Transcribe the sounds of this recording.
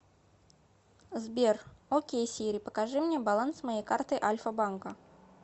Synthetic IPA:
zbʲɛrɔkʲejsʲiɾʲɨpɐkaʐɨmnʲɛbalˠansmajejkart̪ɨʔalʲfɐbankɐ

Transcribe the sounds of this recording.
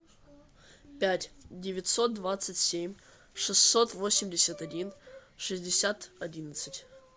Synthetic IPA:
pʲætʲdʲɪvʲɪtʲsot̪̚d̪vat̪sətʲsʲemʲ | ʂɨsːo̞t̪vo̞sʲɪmʲdʲɪsʲət̪ɐdʲinʂɨzʲdʲɪsʲat̪ɐdʲinət̪sɨtʲ

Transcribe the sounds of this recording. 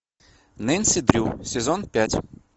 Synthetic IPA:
nɛnʲsʲɪd̪ɾʲusʲɪzonpʲætʲ

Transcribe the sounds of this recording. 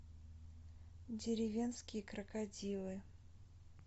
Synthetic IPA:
dʲɪɾʲɪvʲenskʲɪjəkɾɐkadʲilˠɨ

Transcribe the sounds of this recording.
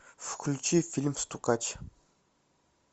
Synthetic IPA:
fkʰlʲut͡ʃifilʲmst̪ukʼat͡ʃʰ

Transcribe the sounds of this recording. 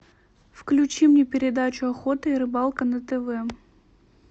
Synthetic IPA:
fklʲʉt͡ɕimnʲepʲɪɾʲɪd̪at͡ɕʊɐxot̪ɨiɾɨbɑlˠkənət̪ɛvɛ

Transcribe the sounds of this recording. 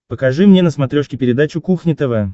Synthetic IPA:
pəkɐʐɨmnʲenəsmɐt̪ɾʲoʂkʲɪpʲɪɾʲɪd̪at͡ɕʊkuxnʲɪt̪əvə

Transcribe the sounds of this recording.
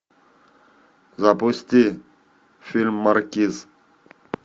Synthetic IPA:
zaposʲt̪i | filmːaɾkiz

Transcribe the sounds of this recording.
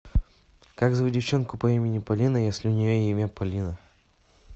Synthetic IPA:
kaɡzəʊdʲɪft͡ɕonkʊpɐimʲɪnʲɪpɐlʲinəjesʲlʲɪʊnʲɪjoimʲapɐlʲinə

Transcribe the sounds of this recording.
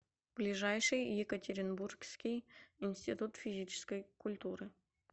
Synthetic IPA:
b̥lʲɪʐajʂɨjjɪkətʲɪɾʲɪnburkskʲɪjɪnʲsʲtʲɪt̪ut̪fʲɪzʲit͡ɕɪ̥skəjkʊlʲt̪uɾɨ

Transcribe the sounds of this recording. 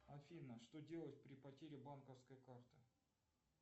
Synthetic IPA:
ɐfʲinːəʂt̪odʲe̞lˠət̚ʲpɾʲɪpɐtʲeɾʲɪbankəfskəjkart̪ɨ̥

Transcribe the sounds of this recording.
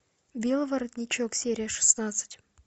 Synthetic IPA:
bʲelˠəvɐɾɐd̪ʲnʲɪt͡ɕoksʲeɾʲɪjəʂɨ̥snat̪sɨ̥tʲ

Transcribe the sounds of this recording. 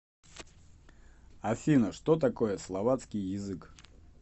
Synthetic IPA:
ɐfʲinəʂt̪ot̪ɐko̞jəslˠɐvat̪skʲɪjːɪzɨk

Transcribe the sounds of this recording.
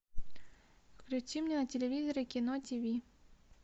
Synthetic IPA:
fklʲut͡ʃʲimnʲɛnɐtʲelʲeʋʲizɔɾʲekʲinɔt̪ʲivʲi

